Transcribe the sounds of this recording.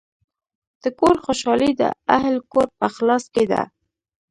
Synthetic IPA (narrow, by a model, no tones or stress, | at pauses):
d̪̥əkoɾxoʃɑlid̪ə̰ahlkoɾpəxlɑsked̪a̰